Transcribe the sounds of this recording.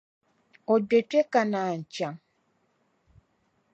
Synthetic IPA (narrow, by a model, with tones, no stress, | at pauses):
ɔ˨de˨te˦ka˨na˨ɲ̩˨t͡ʃa˨